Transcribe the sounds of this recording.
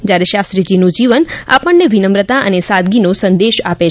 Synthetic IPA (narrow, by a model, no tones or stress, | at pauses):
d͡ʒjaɾeʃast̪ɾid͡ʒinũd͡ʒiʋəna̰pəɳːeʋinəmɾət̪aʔənesad̪ɡinosənd̪eʃape